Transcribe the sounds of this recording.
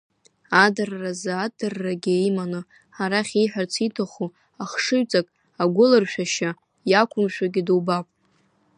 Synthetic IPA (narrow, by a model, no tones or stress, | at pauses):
adarːazɨadɨrːaɡʲɪjmanɨ | aɾaχʲiħʷᶣart͡sʰitʰaχu | aχʂɨɥt͡sʼakʼ | aɡʷʊlɨrʃᶣaʃa | jakʷʰʊmʃᶣaɡʲɪdɨwbapʼ